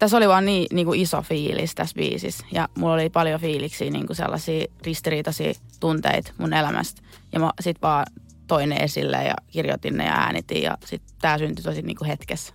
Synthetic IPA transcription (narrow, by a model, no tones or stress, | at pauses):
t̪æsoliʋɑːnniːniːŋkuiso̰fiːlist̪æsʋḭːsḭsjɑmulːolipɑljofiːliksiːnḭːŋkusḛlːɑsiːrist̪iriːt̪ɑsḭːt̪unt̪ḛit̪munelæmʔæ̰st̪ | jɑmɑsit̪ʋɑː | t̪oineʔesilːḛjɑ̰kirjo̰t̪inːḛjɑ̰æ̰ːnḭt̪ijɑ̰sit̪t̪æːsynt̪yt̪osinḭːŋkuhet̪kes